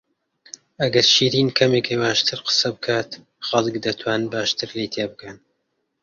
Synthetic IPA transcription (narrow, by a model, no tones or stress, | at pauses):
ɐɡɐɾʃiːɾiːnkʰɐmekʰejwaːʃt̪ʰɨɾqə̥sɐbɨkʰaːt̪ | xɐlˠɨkd̪ɐt̪ʰwaːnɨnbaːʃt̪ʰɨɾlejt̪ʰeːbɨkɐn